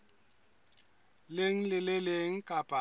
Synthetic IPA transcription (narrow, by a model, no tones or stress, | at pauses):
leŋ̩lɪlɪleŋ̩kʼapʼa